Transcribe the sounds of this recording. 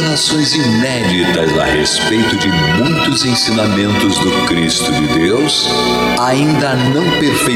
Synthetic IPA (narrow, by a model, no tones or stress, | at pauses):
nasõj̃zinɛd͡ʒit̪ɐzɐ̰hespejt̪ʊd͡ʒɪ | mũj̃t̪ʊzẽj̃sĩnamẽnt̪ʊzd̪ʊkɾist̪ʊd͡ʒɪd̪ews | aĩnd̪ɐnɐ̃w̃peɾfe